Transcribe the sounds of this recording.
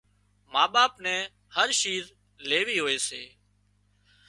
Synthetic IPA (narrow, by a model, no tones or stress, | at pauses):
maːɓaːpnɛ̃ː | həɾʃiːɾ | leːʋiːɦoːeːseː